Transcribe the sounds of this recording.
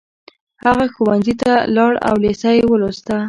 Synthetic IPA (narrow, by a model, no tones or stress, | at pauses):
haɣaxowanzit̪alɑɽa̰wlesajewəlost̪a